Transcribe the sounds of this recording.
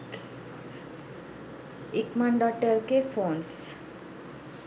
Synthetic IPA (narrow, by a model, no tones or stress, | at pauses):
ikmaɳɖɔʈəɾkefons